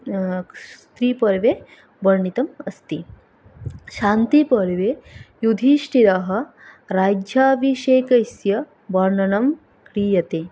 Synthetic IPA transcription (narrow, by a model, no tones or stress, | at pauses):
t̪ɾiːpɐɾʋe | bɐɾɳit̪ɐmɐst̪i | ʃaːnt̪ipɐɾʋejud̪ʱiʃʈiɾɐɦɐ̆ | ɾaːd͡ʒjaːʋiʃeːkɐjsjɐ | ʋɐɾɳɐnɐm | kɾiːjɐt̪eː